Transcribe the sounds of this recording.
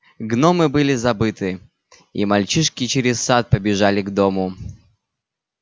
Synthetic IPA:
ɡnomɨbɨlʲɪzɐbɨt̪ɨ | imɐlʲt͡ɕiʂkʲɪt͡ɕɪɾʲɪssat̪̚pəbʲɪʐalʲɪɡd̪omʊ

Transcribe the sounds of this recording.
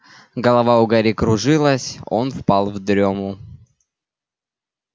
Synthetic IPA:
ɡɐlˠɐvaʊɡaɾʲikɾʊʐɨlˠəsʲo̞̰nfpalˠvd̪ɾʲomʊ

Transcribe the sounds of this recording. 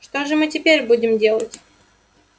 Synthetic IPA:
ʂt̪oʐɨmɨtʲɪpʲeɾʲbudʲɪmdʲelˠətʲ

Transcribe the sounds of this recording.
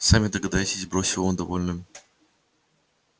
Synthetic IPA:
samʲɪd̪əɡɐd̪ajʲt͡ɕɪzʲbɾosʲɪvˠd̪ɐvolʲnɨm

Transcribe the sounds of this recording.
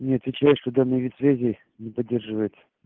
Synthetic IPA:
nʲeɐt̪ʲɪt͡ɕɛɪʂt̪od̪anəjvʲit̪ʲsvʲæzʲɪ | nʲɪpɐdʲːerʐɨvəjɪt̪sə̥

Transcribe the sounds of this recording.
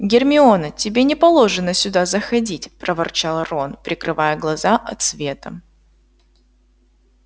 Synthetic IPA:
ɡʲɪrmʲɪonətʲɪbʲenʲɪpɐlˠo̞ʐɨnəsʲʊd̪azəxɐdʲitʲpɾəvɐrt͡ɕalˠəronpɾʲɪkɾɨvajəɡlˠɐzaʔɐt̪svʲe̞t̪ə

